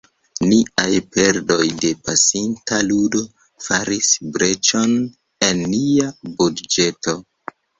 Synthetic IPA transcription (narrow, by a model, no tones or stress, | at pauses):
niajpe̞ɾdo̞jde̞pasintaludo̞ | faɾisbɾe̞t͡ʃo̞n | e̞nːiabudd͡ʒe̞to̞